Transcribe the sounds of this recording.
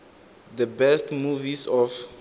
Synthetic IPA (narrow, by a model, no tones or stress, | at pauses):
d̪əbɛstmuvisɔf